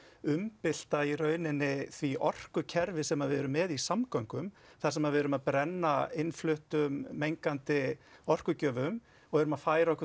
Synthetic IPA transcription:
ʏmpɪl̥t̪airœːɥnɪnːɪθviʔɔr̥kʏcʰɛɾvɪsɛmaðvɛɾʏmːɛðisamkawŋkʏm | θḁsɛmaðvɛɾʏmaðpɾɛnːaɪnflʏht̪ʏmːejŋkant̪ɪɔr̥kʏcœːvʏm | ɔɣɛɾʏmaðfaːjɾaɔhkʏ

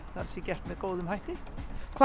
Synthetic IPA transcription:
θaɾsɛcɛr̥t̪mɛðkoːwðʏmhajht̪ɪ | kʰ

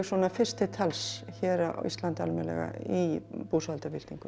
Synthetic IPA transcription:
swɔːnafɪr̥st̪ɪt̪ʰalsçɛːɾaʔa̰ist̪lant̪a̰lmɛnlɛ̰ɣa̰ipusalt̪avɪl̥t̪iŋkʏ

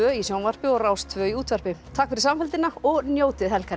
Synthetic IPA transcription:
œːisjawnvar̥pɪɔɣraːwst̪ʰvœːiuːt̪vɛɾ̥pɪt̪ʰakfɪɾɪ̥ɾsamfɛlt̪ɪnaɔɣnjoːwt̪ɪðɦɛlka

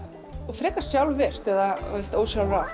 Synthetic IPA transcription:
ɔfɾɛːkḁsjawlvɛr̥t̪ɛðaest̪oːwsjawlɾaf

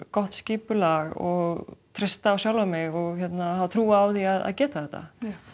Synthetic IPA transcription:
kɔht̪sciːpʏlaɣɔɣt̪ʰɾɪst̪aːwsjawlvamɪɣɔɣçɛt̪nahavt̪ʰɾuːaawθiaða̰ðcɛːt̪aθɛht̪ːa̰

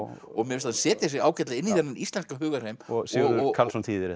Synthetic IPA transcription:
ɔɣmɪɪst̪ansɛːt̪ɪas̬jɣaːwcɛt̪laɪnːiθɛnːaɾʔist̪lɛnskaɦʏːɣaɾ̥hejmɔsɪʏɔkʰalsɔnt̪ʰiːðɪɾɪ

